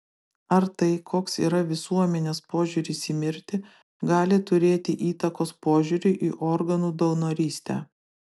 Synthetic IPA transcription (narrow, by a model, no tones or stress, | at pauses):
ɐɾt̪ɐɪkʰoːksḭːɾɐʋʲɪsuɔmʲɛnʲeːspoːʒʲʊːɾʲɪsʲiːmʲɪɾʲt̪ʲɪ | ɡɑːlʲɪt̪ʊɾʲeːt̪ʲɪʔiːt̪ɐkoːspoːʒʲʊɾʲʊʔiːʔɔɾɡɐnuːd̪ɐʊnoːɾʲiːsʲt̪ʲæ̰ː